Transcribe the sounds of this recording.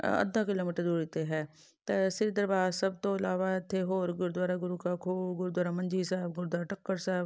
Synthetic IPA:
ə̰d̪ʱːaːkɪloːmiːʈəɾd̪oːɾit̪eɦɛː | t̪esɪɾid̪əɾbaːsəb̚t̪õɪlaːʋaɪt̪ʰːeɦoːɾɡʊɾd̪waːɾaɡʊɾuːkakʰoːɡʊɾud̪waːɾamə̃nd͡ʒiːsɛːbɡʊɾd̪waːɾaʈəkːəɾsɛːb

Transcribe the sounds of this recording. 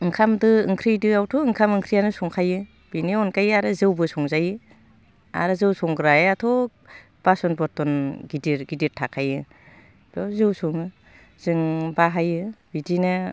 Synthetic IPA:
ɯŋkʰamdɯɯŋkʰɾijdɯawtʰɔɯŋkʰamɯŋkʰɾijanɯsɔŋkʰajɯ | b̥iniɔnkajɯaɾɯzɯwbɯsɔŋzajɯ | a̰ɾɯzɯwsɔŋɡɾajatʰɔ | b̥asɔnbɔɾtɔnɡidiɾɡidiɾtʰakʰajɯ | bɔzɯwsɔŋɯ | z̥ɯŋbaɦajɯb̥idinɯ

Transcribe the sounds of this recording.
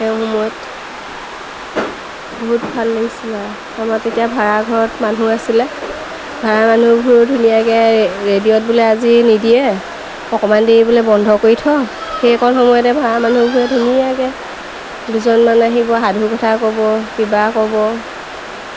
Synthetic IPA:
ɛʊxɔmɔjɔt | boɦutbʱalːeisila | amatetijabʱaɹaɡʱɔɹɔtmanuasilɛ | bʱaɹamanubʱuɹdʱunijakɛɹedijɔt̚bulɛazinidijɛ | ɔkɔmandeɹibulɛbɔndʱɔkoɹitʰɔxejɔkʰɔnxɔmɔjɔtɛbʱaɹamanubʱuɹɛdʱunijakɛ | duzɔnmanaɦibɔɦadʱukɔtʰakɔbɔbibakɔbɔ

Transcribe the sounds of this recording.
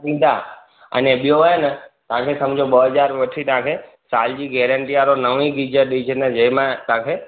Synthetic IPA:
ĩd̪a | ə̰neɓjoʋent̪ãkʰesəmd͡ʒoɓəɦəd͡ʒaɾʋəʈʰit̪ãkʰe | sald͡ʒiɡɛɾəɳʈijaɾonəʋĩɡid͡ʒəɾɗit͡ʃʰened͡ʒemãt̪ãkʰe

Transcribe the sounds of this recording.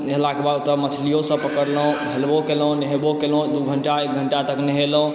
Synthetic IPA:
ɦelakebad̪t̪əmət͡ʃʰlijosə̃pəkəɾlɦũɦelbokelũneɦebokelũd̪uɡʱəɳʈaek̚ɡʱəɳʈat̪əkneɦelũ

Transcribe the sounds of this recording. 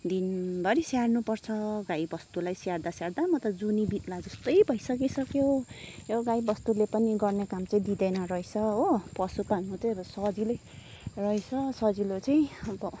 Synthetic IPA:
d̪inbʌɾisjarnupʌrt͡sʰʌɡajbʌst̪ulajsjaɽd̪asjaɽd̪amʌt̪ʌd͡zunibit̪lad͡zʌst̪ʌjbʱʌjsʌkisʌkjojoɡajbʌst̪ulepʌniɡʌrnekamt͡sʌĩd̪id̪ejnʌrʌjt͡sʰʌɦopʌsupanut͡sʌbʌsʌd͡zilej | rʌjt͡sʰʌsʌd͡zilot͡sʌĩʌbʌ

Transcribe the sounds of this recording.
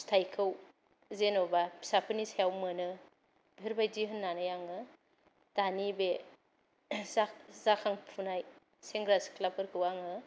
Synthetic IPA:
stʰajkʰɯw | zenobasapʰɯnisajawmɯnɯ | bieɾbajdiɦɯnːanɯjaŋɯ | d̥anibe | zakzakʰaŋpʰunaj | seŋɡɾaskʰlap̚kʰɯɾkʰɯwaŋɯ

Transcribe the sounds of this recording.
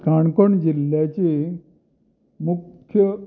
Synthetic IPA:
kaɳkoɳd͡ʑilːjat͡ɕi | mukʰːjə

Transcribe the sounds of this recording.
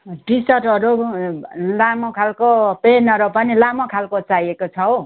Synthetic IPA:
ɖisʌʈʌɾu | lamʌkʰalkopenʌɾupʌnilamʌkʰalkot͡sajekot͡sʰʌo

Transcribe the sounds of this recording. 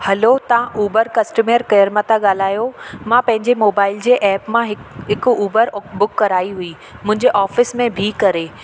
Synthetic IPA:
hɐlot̪ɐãʔuːbəɾkɐsʈəmeːɾkɐjəɾmət̪aɠaːl̤aːjomãpɐ̃ɦɪ̃ɲd͡ʑemoːbaːɪld͡ʑeːʔɛːpmãɦɪɦɪkuːbəɾbʊkːɐɾaːiɦui | mʊ̃ɦɪ̃ɲd͡ʑeʔaːfɪsmẽbʱikɐɾeː

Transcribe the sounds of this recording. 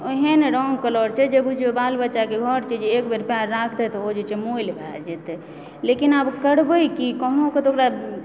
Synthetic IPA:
oɦeneɾɔŋɡkəlɔɾt͡ʃʰɛd͡ʒəbud͡ʒebalbətːʃakeɡʱɔɾt͡ʃid͡ʒekbeɾpjaɾːakʰd̪ɛt̪ɔod͡ʒet͡ʃemoilbʱɛd͡ʒɛt̪ | lekinabkəɽbəjkikɔɦnoket̪okɾa

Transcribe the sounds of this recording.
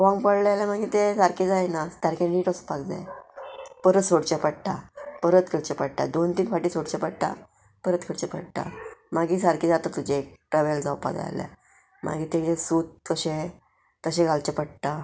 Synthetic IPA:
ʋãŋɡpəɽlalamaɡiːt̪esaɾked͡zajnat̪jaɾkɛ̃nniːʈəspasd͡za̰ | pəɾət̪soɽt͡ɕɛpəɽʈ̪apəɾət̪kʰəɽt͡ɕɛpəɽʈ̪a̰d̪ont̪iːnfaʈiːsoɽt͡ɕɛpəɽt̪a̰ | pəɾət̪kʰəɽt͡ɕɛpə̰ɽʈ̪a̰maɡiːs̬aɾked͡zat̪ət̪ud͡ʑek̚ʈɾaʋeld͡zawpa̰d͡za̰jla̰ | mʔa̰ɡiːt̪ed͡ʑesuːt̪̚kəɕe | t̪əɕẽɡʱalt͡ɕepəɽt̪a

